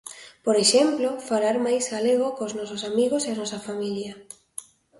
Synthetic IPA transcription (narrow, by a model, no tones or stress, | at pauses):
poɾeʃemplofalaɾmajzɣaleɣokoznɔsosamiɣoseanɔsafamilja